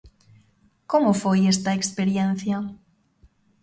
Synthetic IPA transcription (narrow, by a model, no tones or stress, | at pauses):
komofojest̪aekspeɾjen̟θja